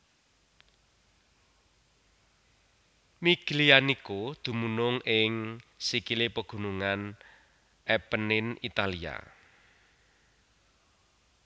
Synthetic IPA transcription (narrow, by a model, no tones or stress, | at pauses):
miɡ̥lianikod̪̥ṳmunʊŋɪŋsikilepəɡ̥ṳnuŋan | ɛpənɪnit̪alia̰